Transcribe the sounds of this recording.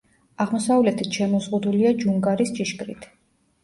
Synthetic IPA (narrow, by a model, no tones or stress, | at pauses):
aʁmɔsavlɛt̪ʰit̪ʰʃɛmɔzʁud̪uliad͡ʒuŋɡaɾist͡ʃʼiʃkʼɾḭt̪ʰ